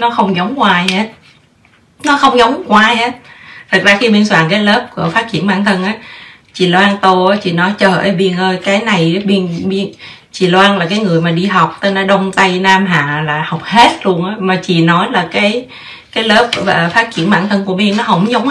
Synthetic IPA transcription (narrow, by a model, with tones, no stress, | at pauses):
nɔ˨˦xə˧wŋ͡mzə˨˦wŋ͡mkwaː˧jhe˦˥t̚ | nɔ˨˦xə˧wŋ͡mzə˨˦wŋ͡mkwaː˧he˦˥t̚t̪ʰə˨˩k̚zaː˧xi˧ɓi˧nswaː˧˩nkaː˨˦jlə˦˥p̚kṵ˧˩əfaː˦˥t̚t͡ɕḭ˧˩ənɓa̰ː˧˩nt̪ʰə˧nʔaː˨˦ | t͡ɕḭ˧˩˨lwaː˧nt̪o˧ʔaː˨˦t͡ɕḭ˧˨nɔ˨˦jt͡ɕəː˨˩ʔəː˧˩jɓi˧ənʔəː˧jkaː˨˦jna˨˩jɓi˧ənɓi˧ən | t͡ɕḭ˧˩˨lwaː˧nlaː˨˩kaː˨˦jŋɨ˨˩əjmaː˨˩ɗi˧ɦa˨˩wk͡p̚t̪əː˧nɔ˨˦ɗə˧wŋ͡mt̪a˧jnaː˧mɦaː˨˩laː˨˩ha˨˩wk͡p̚he˦˥t̚lu˧ənʔaː˨˦maː˨˩t͡ɕḭ˧˨nɔ˨˦jlaː˨˩kaː˨˦j | kaː˨˦jləː˦˥p̚ə˨˩faː˦˥t̚t͡ɕḭ˧˥ənɓa̰ː˧˩nt̪ʰə˧nku˧˩əɓi˧ənːɔ˨˦ɦə˧˩wŋ͡mzə˨˦wŋ͡m